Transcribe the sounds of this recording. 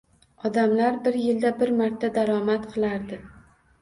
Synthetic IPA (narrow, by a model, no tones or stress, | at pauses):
ɒd̪amlaɾbɪɾjɪld̪abɪɾmaɾt̪ʰad̪aɾɒmat̪qʰɨlˠaɾd̪ɪ